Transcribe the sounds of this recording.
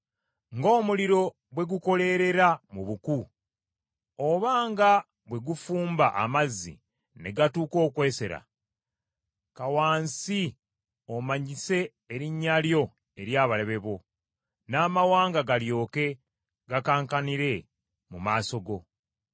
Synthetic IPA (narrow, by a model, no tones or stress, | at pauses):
ŋɡo̞ːmuliɾo̞ | bwe̞ɡuko̞le̞ɾe̞ɾamuβuku | oβaːŋɡa | bwe̞ɡufuːmbaʔa̰mazḭ | ne̞ɡatuːko̞ːkwe̞ːse̞ɾa̰ | kawaːnsi | o̞maɲise̞ː | ɾiɲːaljo̞ | e̞ɾjaːβale̞βe̞βo̞ | naːmawaːŋɡaɡaljo̞ːke̞ | ɡakaːŋkaniɾe̞ | mumaːso̞ɡo̞